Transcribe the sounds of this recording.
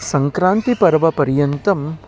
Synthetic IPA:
sɐŋkɾaːnt̪ipɐɾʋɐpɐɾjɐnt̪ɐm

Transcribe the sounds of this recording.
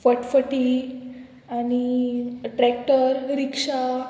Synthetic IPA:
fəʈfəʈi | añiʈɾɛk̚ʈəɾɾikʂa

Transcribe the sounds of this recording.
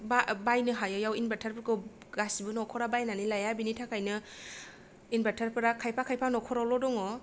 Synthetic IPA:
babajnɯɦajɔjawinbatʰaɾpɯɾkɯ | ɡasibɯnɔkʰɔɾabajnanilajabinitʰakʰajnɯ | inbatʰaɾpʰɯɾakʰajpʰakʰajpʰanɔkʰɔɾawlɔdɔŋɔ

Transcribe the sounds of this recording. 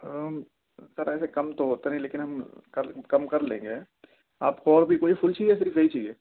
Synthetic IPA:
ə | sɐɾɛːsekɐmt̪oɦoːt̪enɐɦĩleːkɪnɦɐmkɐɾkɐmkɐɾlḛ̃ːŋɡeː | aːpkoɔːɾbʱikoːifʰʊlt͡ʃiːd͡ʒɛs̬ɪɾfjɐit͡ʃiːd͡ʒeː

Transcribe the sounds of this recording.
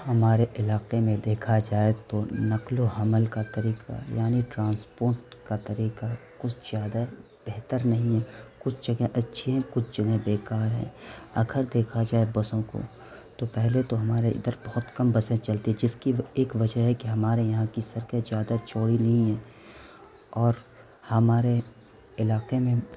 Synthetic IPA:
hɐmaːɾeʔɪlaːqemẽd̪eːkʰad͡ʒaːet̪onɐqloɦɐməlkat̪ɐɾiːqa̰jaːniʈɾãːnspoːɾʈkat̪ɐɾiːqakʊt͡ʃʰz̥jaːd̪a | b̥eɦt̪əɾnɐɦĩɦɛ̃kʊt͡ʃʰd͡ʒɐɡẽʔɐtːʃʰiɦɛ̃kʊt͡ʃʰd͡ʒɐɡɛ̃beːkaːɾɦɛ̰̃ːɐ̰ɡʰəɾd̪eːkʰad͡ʒaːebɐsõko̰ | t̪opɛɦlet̪oɦɐmaːɾeʔɪ̰d̪əɾbɔɦʊt̪kɐmbɐsẽt͡ʃɐlt̪iɛd͡ʒɪskieːkʋɐd͡ʒəɦɦɛkiɦɐmaːɾejɐɦãkisɐɾkezjaːd̪at͡ʃoːɽiliiɦɛ̃ː | ɔːɾ | hɐmaːɾe | ɪlaːqemẽ

